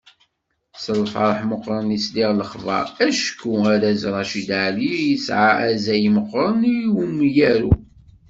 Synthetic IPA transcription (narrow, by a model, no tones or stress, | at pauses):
səlfɑ̰ɾˤħməqːɾˤənisliʁləχvɑ̰ɾæʃkːuaɾæzɾˤɑʃid̪aʕlijəsʕaæzæjməqːɾˤəniwumːjæɾu